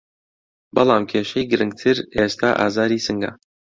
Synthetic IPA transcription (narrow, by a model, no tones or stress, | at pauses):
bɑlˠaːmkʰeːʃejɡɨɾɨŋɡ̚t̪ʰɨɾeːst̪ʰa̰ːʔa̰ːzaːɾiːsɨŋɡa̰